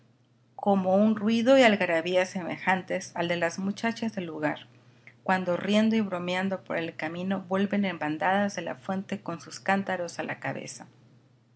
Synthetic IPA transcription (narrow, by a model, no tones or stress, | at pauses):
kʰo̞mo̞unrwiðo̞ialɣaɾaβiase̞me̞̰xant̪e̞sald̪e̞lazmut͡ʃat͡ʃazðe̞lːuɣaɾ | kwand̪o̞rje̞nd̪o̞iβɾo̞mjand̪o̞po̞̰ɾe̞lkamĩno̞βwe̞lβe̞ne̞mband̪aðazðe̞la̰fwe̞nt̪e̞ko̞nsuskant̪aɾo̞salʔa̰kaβe̞̰sa